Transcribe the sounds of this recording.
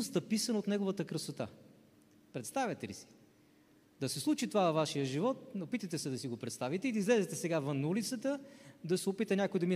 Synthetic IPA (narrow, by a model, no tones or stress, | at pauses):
st̪ɐpisənot̪nɛɡovət̪əkɾəsot̪a̰ | pɾɛt̪st̪avʲjɛt̪ɛlḭsi̥ | d̪ɐsɛslˠut͡ʃit̪ovavɐvaʃijəʒivɔt̪̚opit̪ət̪ɛsɛd̪ɐsiɡopɾɛt̪st̪avit̪ɛid̪ɐizlɛzɛt̪ɛsɛɡavənːɐulit̪sət̪əd̪ɐsɛopit̪ənʲjakojd̪ɐmi